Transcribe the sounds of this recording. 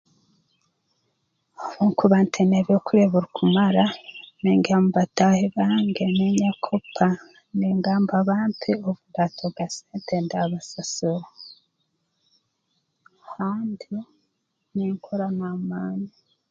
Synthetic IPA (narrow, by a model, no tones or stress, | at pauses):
oβuŋkʰuβantʰeneβokuɾeβuɾukʰumaɾaneːŋɡaamubataheβaːŋɡe̞neɲakʰopʰa | neːŋɡaːmbaβaːmpʰeoβundatʰoɡaseːntʰendaβasasoɾo | haːndi | neŋkʰoɾanamaːni